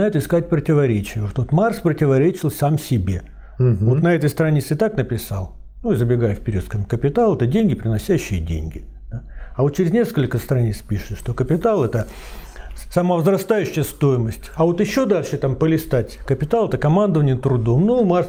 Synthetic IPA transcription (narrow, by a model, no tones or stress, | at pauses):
aɛt̪əɪskat̚ʲpɾətʲɪvɐɾʲet͡ɕɪjəoʂt̪oot̪marspɾətʲɪvɐɾʲet͡ɕɪlˠsamsʲɪbʲe̞ | vo̞t̪nɐɛt̪əjst̪ɾɐnʲit̪sɨɪt̪aknəpʲɪsa̰lˠ | nuizəbʲɪɡajʊfpʲɪɾʲḭot̪kamkəpʲɪt̪alˠɛt̪ədʲenʲɡʲɪpɾʲɪnɐsʲæɕːɪjədʲḛnʲɡʲɪ | d̪̥aɐvot̪̚t͡ɕɪɾʲɪzʲnʲeskəlʲkəst̪ɾɐnʲit̪spʲiʂɨt̪ʂt̪o̞kəpʲɪt̪alˠɛt̪ə | sɐməvzɾɐst̪ajʉɕːɪjəst̪o̞jɪməsʲtʲɐvo̞t̪ɪɕːo̞d̪alʲʂɨt̪ampəlʲɪst̪atʲkəpʲɪt̪alˠɛt̪əkɐmand̪əvənʲɪət̪ɾʊd̪o̞mnumars